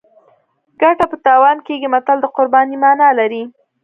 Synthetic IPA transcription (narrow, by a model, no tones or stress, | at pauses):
ɡaʈapət̪ɑwɑnkeɡimat̪ald̪əqʊɾbɑnimɑnɑlaɾi